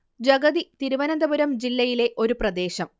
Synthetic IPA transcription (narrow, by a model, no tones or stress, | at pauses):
d͡ʑɐɡɐðit̪iɾuʋɐnɐnd̪ɐbuɾɐmd͡ʑilːɐjile̞ʔo̞ɾuprɐd̪e̞ːɕɐm